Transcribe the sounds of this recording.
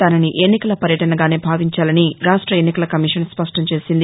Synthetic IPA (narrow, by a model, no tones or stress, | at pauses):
aːnɐniʔe̞nːikɐlɐpɐɾjɐʈɐnɐɡaːneːbʱaːʋiɲt͡ʃaːlɐniɾaːʂʈɾɐenːikɐlɐkɐmiːʂɐnspɐʂʈɐmt͡ʃe̞ːsind̪i